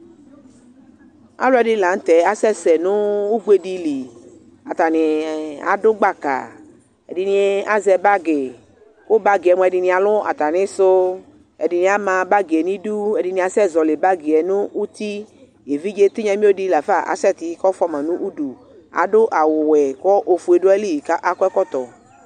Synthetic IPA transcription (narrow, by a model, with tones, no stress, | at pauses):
a̰˦lʊ˦ɛ˨dɪ˦la˨˦n̩˦t̪ɛ˨˦a˨sɛ˦˨sɛ˨nʊ̃˦u˦ɡ͡be˦di˨li˨ | a˨t̪a˨nɪ˨a̰˨dʊ˦ɡ͡ba˦˨ka̰˨ | ɛ̰˨dɪ˨nĩ˦a˦zɛ˧ba˦ɡɪ˨ | kʊ˦ba˦ɡɪ˨ɛ˨m˧˨ɛ˨dɪ˧nĩ˧˦a˨lʊ˦a̰˨t̪a˨nɪ̃˦sʊ˦ | ɛ̰˨dɪ˨nĩ˨a˦mã˧ba˦ɡi˨ɛ˨nĩ˦du˦ɛ˨di˨nĩ˨a˨sɛ˦˨zɔ˨le˨ba˦ɡi˨ɛ˨nʊ̃˦ʔu˦t̪i˦ | je˨vi˦d͡ʒe˦t̪u˦ɲɛ̃˨˦mĩ˦o˦di˦la˨fa˦˨ʔa̰˨sɛ˦˨t̪ɪ˨˦kɔ˦fɔ˦mã˨nʊ̃˦ʔu˦du˨ | a̰˨dʊ˦ʔa˨wʊ˨wɛ˨kɔ˦ʔo˨fu˨e˨do˦ɛ˦li˦˨ka˦ʔa˦kɔ˦ɛ˦kɔ˦t̪ɔ˨